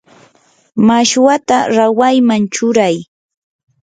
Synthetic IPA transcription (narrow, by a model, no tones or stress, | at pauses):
maʃwat̪aɾawajmant͡ʃʊɾaj